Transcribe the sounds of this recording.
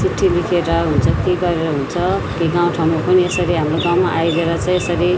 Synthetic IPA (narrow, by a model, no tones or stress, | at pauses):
siʈʰːilikʰeɾʌɦunt͡sʰʌkiɡʌɾeɾʌɦunt͡sʰʌkiɡãw̃ʈʰaw̃mopʌniesʌɾiɦamroɡãw̃maʔajɡeɾʌt͡sãĩesʌɾi